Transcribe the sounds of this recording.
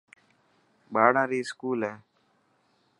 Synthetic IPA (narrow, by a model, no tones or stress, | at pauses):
ɓaːɽãːɾiːskuːlɦeː